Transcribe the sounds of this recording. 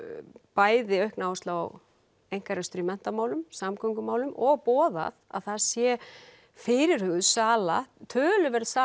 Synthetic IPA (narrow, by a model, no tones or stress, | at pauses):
paːjðɪœɥhknawst̪la̰w | ejŋ̥kaɾast̪ɾimɛn̥t̪amaːwlʏmsamkʰœŋkʏmaːwlʏmʔɔɣpɔːða̰ða̰ðθaðsjɛ | fɪɾɪɾ̥hʏɣʏðsaːlat̪ʰœːlʏvɛɾðsaː